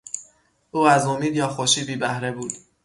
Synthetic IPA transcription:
ʔuːæzomiːd̪jɒːxoʃiːbiːbæhɾebuːd̪̥

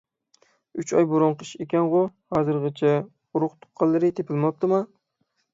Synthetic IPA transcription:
ʊt͡ʃɒjboɾɑnqʰɨʃekʲanʁʊhɒzɨɾʁɨt͡ʃʰa | ʊɾʊqt̪ʰʊ̥qqʰːɑlˠːɪɾɪt̪ʰepʰɪlmɒp̚t̪ɪma

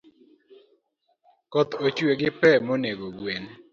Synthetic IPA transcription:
kɔt̪ot͡ʃweɡɪpɛmoneɡoɡwen

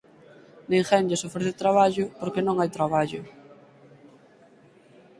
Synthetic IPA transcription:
neŋxɛnʎɪsofɾeθɪt̪ɾaβaʎʊpoɾkenõŋajt̪ɾaβ̞aʎʊ

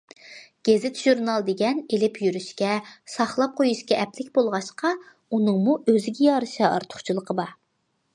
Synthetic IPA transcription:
ɡ̥ʲezɪt̪ʒ̥uɾnɑlˠd̪eɡʲɛnelɪpʰjyɾyʃkʲɛsɑχlˠɑp̚qʰojuʃkʲɛʔɛplɪkʲbolˠʁɑʃqɑ | unɨŋmuøzɪɡʲɛjɑɾɨʃɑɑ̰ɾt̪ʰʊ̥χt͡ʃʰilˠəqʰəbɑ

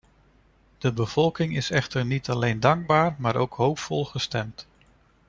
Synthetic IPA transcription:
d̥əbəv̥ɔlˠkɪŋɪsɛχtəɹnitɑlejndɑŋɡ̚baːɹmaːɾʔowkɦowpfɔlˠχəstɛmt

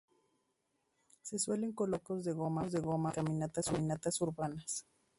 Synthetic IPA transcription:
se̞swe̞le̞ŋko̞lo̞ko̞zðeɣo̞mazðe̞ɣo̞makamĩnat̪asmĩnat̪asuɾβanas

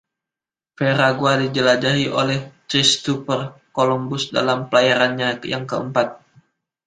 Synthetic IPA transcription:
feɾaɡuadid͡ʒəlad͡ʒaɦiʔolɛht̪ɾist̪upərkolɔmbʊsda̰lampəlajaɾanɲajaŋkəəmpat̪̚

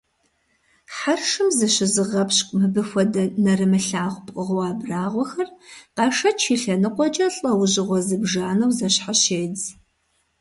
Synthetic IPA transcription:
ħarʂɨmzɨɕɪzɨʁɐpɕkʷʼmɨbɨxʷɔdɐnɐrɨmɨɬaːʁʷpʼqʼəʁwɑːbraːʁʷɔxɐrqɑʂɐt͡ʃʰiːɬɐnɨqʷʼɔt͡ʃʼɐɬʼɐwʑɪʁʷɔzɨbʒaːnɐwzɐɕħaɕeːd͡z

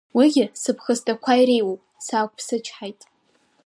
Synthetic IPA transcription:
wiɡʲɪsɨpʰχəstʼakʷʰajɾejwopʼsaːkʷʰʼpʰsɨt͡ʃʰħajtʼ

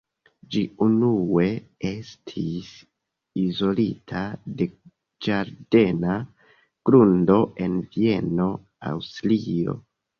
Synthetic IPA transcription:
d͡ʒiunue̞estʰis | izo̞litʰade̞ | d͡ʒaɾde̞na | ɡ̥ɾundo̞ʔe̞nvie̞no̞ | a̰wstlio̞̰

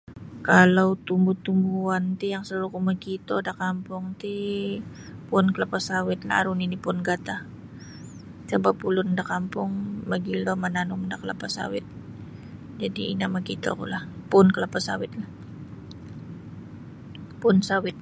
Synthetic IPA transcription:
kalawt̪umbut̪umbuant̪ijaŋsəuɾukumaɡit̪odakampʊŋt̪i | pʊnkəlapasawɪt̪̚la̰a̰ɾuninipʊnɡat̪a | t͡ʃabapulʊndakampʊŋmaɡilomananʊmdakəla̰pasa̰wɪ̰t̪̚ | d͡ʒadiinamaɡit̪o̰kṵlahpʊnkəlapasa̰wɪt̪̚lah | pʊnsawɪt̪̚

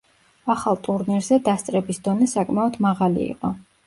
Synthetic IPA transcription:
aχalˠt̪ʼuɾniɾzɛd̪ast̪sʼɾɛbisd̪ɔnɛsakʼmaɔd̪maʁalḭḭqʼɔ

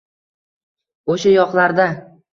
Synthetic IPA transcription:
oʃajɒqlˠaɾd̪a

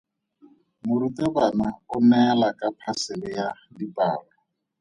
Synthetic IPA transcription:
mʊɾitɛβanaʊnɛlakʼapʰasɪlɪjadipʼa̰ːrɔ

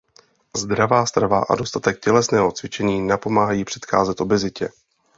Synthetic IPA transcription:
zd̪ɾavaːst̪ɾavaʔa̰dost̪at̪ɛk̚cɛlɛsnɛːɦo̞t͡svɪt͡ʃɛɲiːnapo̞maːɦajiːpr̝̥ɛ̥t̪xaːzɛt̪ʔo̞bɛzɪcɛ

